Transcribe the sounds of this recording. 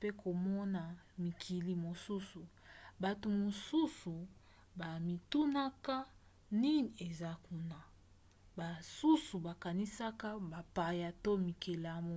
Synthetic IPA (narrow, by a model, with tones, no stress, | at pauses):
pe˦kʰo˨mɔ˦na˨ | mi˨kʰi˨li˨mo˨su˦su˨ | ba˨to˨mo˨su˦su˨ | ba˨mi˨tu˦na˦ka˦ | ni˦ni˨e˨za˦ku˦na˨ | ba˨su˦su˨ba˨ka˨ni˦sa˦ka˦ba˨pa˨ja˨to˦mi˨ke˨la˦mo˦